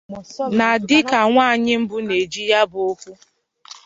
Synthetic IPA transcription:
na˨dɪ˦ka˨ŋʷaː˦˨ɲɪ˦m̩˦bʊ˦ne˨d͡ʒi˦ja˦bo˦kʷu˦

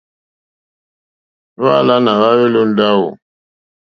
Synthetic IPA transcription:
va˦˨la˦na˨ɣa˦we˦lo˦n˦da˦wo̰˨

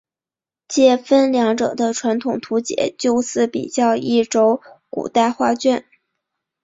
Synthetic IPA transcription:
t͡ɕjɛ˥˩fə˥nljɑ˧˥ŋʈ͡ʂɤ̰˨˩d̪ə˦ʈ͡ʂʰwa˧˥nt̪ʰʊ˨˩ŋt̪ʰu˧˥t͡ɕjɛ̰˨˩˦t͡ɕjo˥˧ʊsɹ̩˥˩pḭ˨˩t͡ɕjɑ˥˧ʊi˥˩ʈ͡ʂo˥ʊkṵ˨˩t̪a˥˧ɪxwa˥˧t͡ɕɥɛ˥˩n

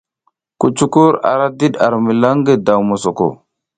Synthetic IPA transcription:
ku˨t͡ʃu˦ku˦ɾa̰˨ɾa˦di˦ɗa˨ɾmi˨la˦ŋɡe˦da˨wmo˨so˨ko̰˨

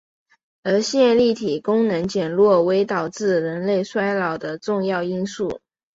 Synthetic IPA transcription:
ə˞˧˥ɕjɛ˥˧nli˥˩t̪ʰi˨˩kʊ˥ŋnɤ˧˥ŋt͡ɕjɛ˨˩nlwɔ˥˩we˧˥ɪt̪ɑ˨˩ʊt͡sɹ̩˥˩ɻə˧˥nle˥˩ɪswa˥ɪlɑ˨˩ʊd̪ə˦ʈ͡ʂʊ˥˧ŋjɑ˥˩ʊi˥nsu˥˩

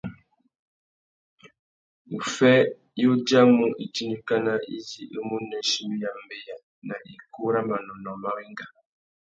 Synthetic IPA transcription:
u˨fɛ˦ | jo˦d͡ʒa˦mu˦ʔi˨ti˦ni˦ka˦na˦ḭ˦zi˨ʔi˦mu˦nɛ˨˦ʃi˦m˦ja˨m̩˦be˦ja˨ | na˨ʔi˨ku˦ɾa˦ma˨nɔ˨nɔ˨ma˦ɣi˦ŋɡa˨

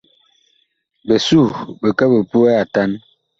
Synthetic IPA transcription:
bə˨su˦˨bə˨kə˦bə˨pu˦ɛ˦a˨ta˦n

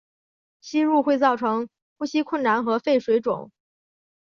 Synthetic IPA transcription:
ɕi˥ɻu˥˧xwe˥˧ɪt͡sɑ˥˩ʊʈ͡ʂʰɤ˧˥ŋ | xu˥˩ɕi˥kʰwə˥˩nna˧˥nxɤ˧˥fe˥˩ɪʂwe˧˥ɪʈ͡ʂʊ̰˨˩˦ŋ

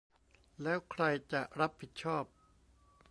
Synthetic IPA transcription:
lɛː˦˥wkʰɾa˧jt͡ɕa˨˩ʔɾa˦˥pʰi˨˩t̪̚t͡ɕʰɔː˥˩p̚

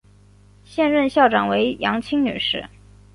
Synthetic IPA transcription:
ɕjɛ˥˧nɻə˥˧nɕjɑ˥˩ʊʈ͡ʂɑ˨˩ŋwe˧˥ɪjɑ˧˥ŋt͡ɕʰi˥ŋny̰˨˩ʂɻ̩˥˩

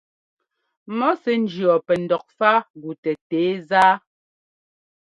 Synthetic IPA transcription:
mɔ˦sɛ˨n̩˦d͡ʒjɔ˨pɛ˨n̩˨dɔ˨k̚fa˦ɡu˨tɛ˨teː˨˦zaː˦

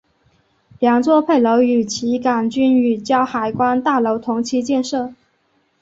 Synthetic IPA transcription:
ljɑ˧˥ŋt͡swɔ˥˧pʰe˥˩ɪlo˧˥ʊy˨˩t͡ɕʰi˧˥ka˨˩nt͡ɕy˥ny˨˩t͡ɕjɑ˥ʊxa˨˩ɪkwa˥nt̪a˥˩lo˧˥ʊt̪ʰʊ˧˥ŋt͡ɕʰi˧˥t͡ɕjɛ˥˧nʂɤ˥˩

